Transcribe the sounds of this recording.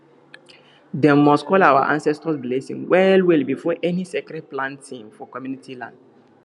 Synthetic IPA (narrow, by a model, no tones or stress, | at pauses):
dɛ̃mɔstkʰɔlawa̰ʔã̰nsɛstɔsblesḭ̃ŋwʔɛlwilbifɔʔɛnisɛkɾɛd̚plãntʰĩŋfɔkɔmjunitʰilã̰nd